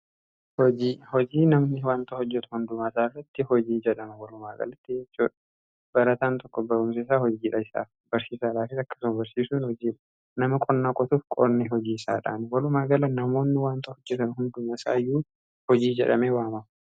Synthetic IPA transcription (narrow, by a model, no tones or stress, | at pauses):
hɔd͡ʒiːhɔd͡ʒiːnɐmnɪwaːnt̪ɐhɔd͡ʒːɛt̪ɐ̥hʊnd̪ʊmasaːɪrːɐt̪ːɪhɔd͡ʒiːd͡ʒɛᶑɐmɐwɐlʊmaːɡɐ̰lɐt̪ːɪd͡ʒɛt͡ʃːuːᶑɐ | b̥ɐɾɐt̪aːnt̪ɔkːɔbɐɾʊms̬eːs̬aːhɔd͡ʒiːᶑɐɪsa̰ːfbɐɾsiːsaːᶑaːfɪsɐkːɐ̥sʊmɐbɐɾsiːsuːnhɔd͡ʒiːᶑɐ̥ | nɐmɐkʼɔnːaːkʼɔt̪ufkʼɔ̰ɾniɦɔd͡ʒiːɪsa̰ːᶑa̰ːnwɐlʊmaːɡɐlɐnɐmo̞ːnːɪwaːnt̪ɐhɔd͡ʒːɛt̪ɐnhʊnd̪ʊmɐsa̰ːjːuː | hɔd͡ʒiːd͡ʒɛ̰ᶑɐmeːwaːmɐm